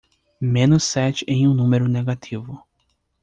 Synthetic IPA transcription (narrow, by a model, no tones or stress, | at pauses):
mẽnʊsːɛt͡ʃɪẽj̃ũnũmeɾʊneɡat̪ʰivʊ